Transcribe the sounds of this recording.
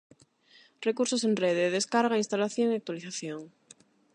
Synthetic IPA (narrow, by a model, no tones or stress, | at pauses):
rekuɾsosenreð̞eðeskaɾɣainst̪alaθjoŋiak̚t̪waliθaθjoŋ